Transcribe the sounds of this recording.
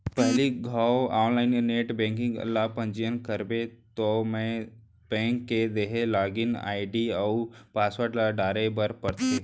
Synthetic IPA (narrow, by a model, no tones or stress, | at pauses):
pɛɦliɡʱaːwaːnlaːɪnneːʈbɛ̃ːŋkɪ̃ŋɡə̰lːapə̃ɲd͡ʒijənkəɾbet̪omɛ̃ | b̥ɛ̃ːŋkːed̪eɦelaːɡɪna̰ːɪɖiaupaːswəɾʈlaɖaːɾebəɾpɐɾt̪eː